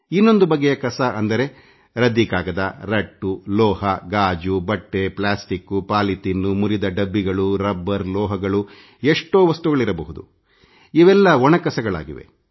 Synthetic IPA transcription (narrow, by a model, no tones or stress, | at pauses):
inːo̞nd̪ubɐɡːejɐkɐsɐʔɐnd̪ɐɾe̞ | ɾɐd̪ikaːɡɐd̪ɐɾɐʈːulɔːhɐɡaːd͡ʒubɐʈːe̞plaːsʈikːupaːlit̪inːumuɾid̪ɐɖɐbːiɡɐɭuɾɐbːɐɾlɔːɦɐɡɐɭu | eʂʈoːʋɐst̪uɡɐɭiɾɐbɐɦud̪ṵ | iʋɛlːɐʋɔɳɐkɐsɐɡɐɭa̰ːɡḭʋḛ